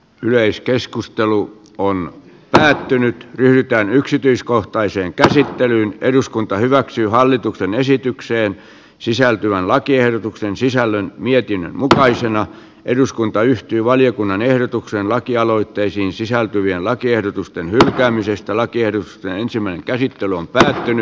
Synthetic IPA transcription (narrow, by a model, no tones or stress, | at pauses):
yleiskeskust̪elu | on | pæːt̪ːynyt̪ryhɾyt̪æːnyksit̪yiskoht̪ɑiseːŋkæsit̪ːelyːneduskunt̪ɑhyʋæksyːhɑlːit̪uksenesit̪ykseːn | sisælt̪yʋænlɑkiehɾot̪uksensisælːønmiet̪inːø̰nmukɑisenɑ | ʔeduskunt̪ɑyht̪yːʋɑljokunːɑnehɾot̪ukseːnlɑkiɑloit̪ːeisiːnsisælt̪yʋienlɑkiehdot̪ust̪enhylkæːmisest̪ælɑkiehdot̪ust̪enensimːˑæineŋkæsit̪ːelyompæːt̪ːyny